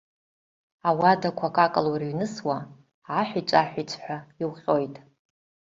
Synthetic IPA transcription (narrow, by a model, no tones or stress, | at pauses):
awadakʷʰakʼakʼaluriɥnɨswaː | ħʷᶣit͡ʃʷʼaħʷᶣit͡sʷʰʼħʷᶣaiwχʲo̞jtʼ